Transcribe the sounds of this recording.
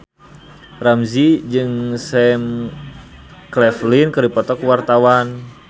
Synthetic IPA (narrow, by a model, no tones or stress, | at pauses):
ramzid͡ʒɨŋsɛm | klɛflinkɨrdipɔt̪ɔkuwart̪awan